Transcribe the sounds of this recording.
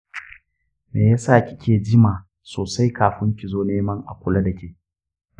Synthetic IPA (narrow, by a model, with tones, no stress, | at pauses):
meː˨ja˦saː˦˨kʲɪ˦kʲeː˨d͡ʒɪ˦maː˨ | soː˨sa˦jkaː˨ɸɪ˦ŋkʲi˨zoː˦neː˦mɐ˦ŋʔa̰˨kʷʊ˦la˦dɐ˨kʲeː˦˨